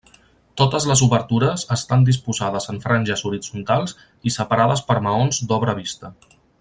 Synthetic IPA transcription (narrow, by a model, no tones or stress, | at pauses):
t̪ot̪əzləzuβəɾt̪uɾəzəst̪and̪ispuzaðəzəɱfɾanʲʒəzuɾid͡zunt̪alˠz | isəpaɾaðəspəɾməonzd̪ɔβɾəβist̪ə